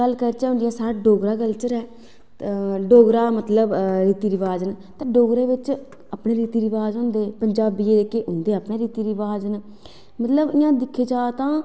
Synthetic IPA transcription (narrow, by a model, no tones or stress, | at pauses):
əlːkəɾt͡ʃɛːɦʊ̃nd̪ɪjãːsaːɾɖoːɡɾaːɡəlt͡ʃəɾɛː | ɖoːɡɾaːmət̪ləbɾiːt̪iːɾɪʋaːd͡ʒnt̪ãːɖoːɡɾeːʋɪt͡ʃ | apneːɾiːt̪iːɾɪʋaːzɦõːnd̪eːpəɲd͡ʒaːbiːeːkeʔʊnd̪eːəpɳeːɾiːt̪iːɾɪʋaːd͡ʒən | mət̪ləbɪjãːd̪ɪkʰːeːt͡ʃaːt̪ãː